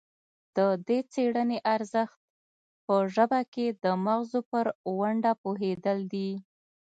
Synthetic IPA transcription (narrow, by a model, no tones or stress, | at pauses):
d̪̥əd̪et͡seɽəneʔaɾzəxt̪̚ | pəʒəbaked̪əmaɣzopəɾwaɳɖapoɦed̪əld̪i